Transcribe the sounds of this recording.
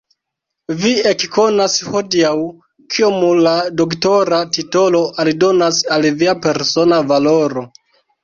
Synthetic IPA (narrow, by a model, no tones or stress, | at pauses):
viekko̞nasho̞diaw | kʰiomulado̞kto̞ɾatito̞lo̞ʔalido̞nasalviape̞ɾso̞navalo̞ɾo̞